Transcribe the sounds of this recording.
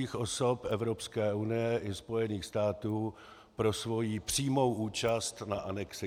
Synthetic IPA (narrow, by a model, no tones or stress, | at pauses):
iːxʔo̞so̞pʔɛvɾo̞pskɛːʔunɪjɛʔɪspo̞jɛniːxst̪aːt̪uː | pɾo̞svo̞jiːpr̝̥iːmo̞wʔuːt͡ʃast̪naʔanɛksɪ